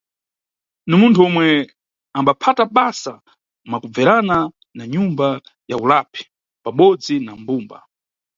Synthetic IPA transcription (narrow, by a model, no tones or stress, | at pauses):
nimuntʰuɔmwɛ | ambapʰataɓasa | makub͡vɛɾana | naɲumba | jaulapʰi̥ | paɓɔd͡zinambuːmba̰